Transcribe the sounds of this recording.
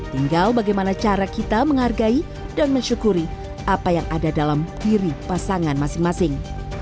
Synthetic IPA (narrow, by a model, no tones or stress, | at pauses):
t̪iŋɡalbaɡajmanat͡ʃaɾakit̪aməŋɦarɡai | danməɲt͡ʃukuɾi | apajaŋadadalamdiɾipasaŋanmasɪŋmasɪŋ